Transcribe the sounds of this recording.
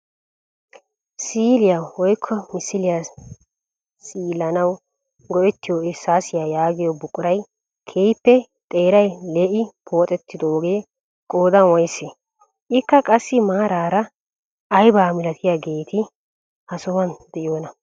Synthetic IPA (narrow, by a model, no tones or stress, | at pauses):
siːlɪjawɔjkʰːɔmɪsɪlɪja | siːlɐnɐw | ɡɔʔɛt̪ːɪjoːɪsaːsɪjaːjaːɡɪjɔbʊkʼːʊɾɐj | kʰeːjpːɛ | t̪ʼe̞ːɾɐjleːʔɪpʰo̞ːt̪ʼɛt̪ːɪd̪ooɡeː | kʼo̞ːd̪ɐnwɔjse | ʔɪkːɐkʼɐsːɪmaːɾaːɾɐ | ɐjbaːmɪlɐt̪ʰɪjaːɡe̞ːt̪ɪ | hɐsɔwɐnd̪̥ɛʔjoːnɐ